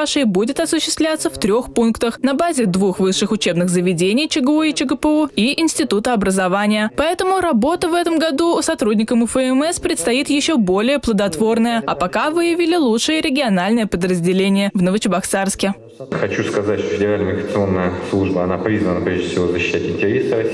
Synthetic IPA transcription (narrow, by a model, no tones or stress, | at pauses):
aʂɨjbudʲɪt̪ɐsʊɕːɪst̪vʲlʲat̪səft̪ɾʲo̞xpunkt̪əxnɐbazʲɪd̪vuxvɨʂːɨxʊt͡ɕe̞bnɨɣzəvʲɪdʲenʲɪjt͡ɕɪɡəuɪt͡ɕɪɡəpəuiɪnsʲtʲɪt̪ut̪əɐbɾəzɐvanʲɪjəpɐɛt̪əmʊɾɐbo̞t̪əvɛt̪əmɡɐd̪uʊsɐt̪ɾudʲnʲɪkəmʊfəɛmɛspɾʲɪt̪st̪ɐjit̪jɪɕːobo̞lʲɪjəplˠəd̪ɐt̪vo̞rnəjəɐpɐkavɨjɪvʲilʲɪlˠutʂɨjəɾʲɪɡʲɪɐnalʲnɨjəpəd̪ɾəzʲdʲɪlʲenʲɪjəvnəvət͡ɕɪbɐksarskʲɪ | xɐt͡ɕuskɐzatʲʂt̪ofʲɪdʲɪɾalʲnəmʲɪɡɾət̪sɨo̞nːəjəslˠuʐbəɐnapɾʲizvənəpɾʲeʐd̪ʲɪfsʲɪvozəɕɪɕætʲɪnʲtʲɪɾʲesəɐ